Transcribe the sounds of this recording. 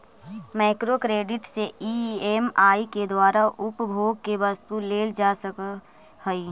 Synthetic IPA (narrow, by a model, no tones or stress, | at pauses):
maːkɾokɾeːɖɪʈseiːemaːiked̪waːɾaʔʊpbʱoːɡ̚keʋɐst̪uleːld͡ʒaːsək | həiː